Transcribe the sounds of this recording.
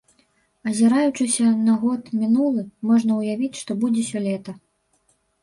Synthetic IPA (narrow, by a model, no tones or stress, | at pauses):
ɐzʲɛɾajut͡ʂɨsʲɐnɐɣɔt̪mʲinulˠɨmɔʐnɐwjavʲit͡sʲʂt̪ɔbud͡zʲɛsʲɔlʲɛt̪ɐ